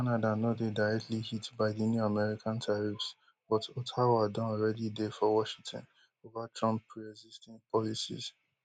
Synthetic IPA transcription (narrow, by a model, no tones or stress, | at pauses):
kanadanɔdedaɪɹɛk̚tʰlihitbaɪdinjuamɛɹikʰãntʰaɹifs | bɔtotʰawadɔ̃nɔlɹɛdidefɔwɔʃĩŋtʰɔ̰̃n | ovatɹɔ̃mpʰːɹiɛɡzistɛ̃npʰɔlisḭz